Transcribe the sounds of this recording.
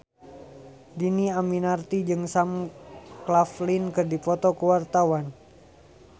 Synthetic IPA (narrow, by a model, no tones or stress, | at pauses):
diniaminart̪id͡ʒɨŋsamklaflinkɨrdipɔt̪ɔkəwart̪awan